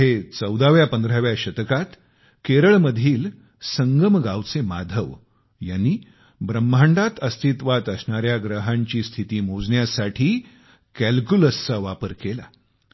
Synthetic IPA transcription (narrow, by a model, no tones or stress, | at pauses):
ɦet͡səwd̪aʋjapənd̪ʱɾaʋjaɕət̪əkat̪ | keɾəɭməd̪ʱiːl | səŋɡəmɡawt͡semad̪ʱəʋ | janːiː | bɾəmːʱaɳɖat̪əst̪ʰit̪ʋat̪əsɳaɾjaɡɾəɦãɲt͡ɕiːst̪ʰit̪iːmod͡zɳjasaʈʰiː | kælkjuləst͡saʋapəɾkela̰